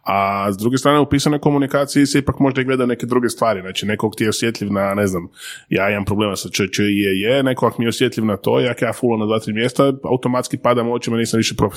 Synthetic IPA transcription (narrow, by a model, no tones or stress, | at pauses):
azd̪ɾuɡest̪ɾaːneupiːsanojko̞munikaːt̪siiseipakmo̞ʒd̪aiɡle̞d̪ajune̞ke̞d̪ɾuɡest̪ʋaːɾiznaːt͡ʃine̞koakt̪ijeosjet̪ʎʲiʋnane̞znamjaːimampɾobleːmasat͡ʃət͡ʃəijejenekoakmijeosje̞t̪lʲiʋnat̪o̞̰ːjakjaːfulˠamnad̪ʋaːt̪ɾiːmjest̪aa̰ut̪o̞mat̪skipad̪amot͡ʃimaniːsamʋiʃepɾo̞fi̥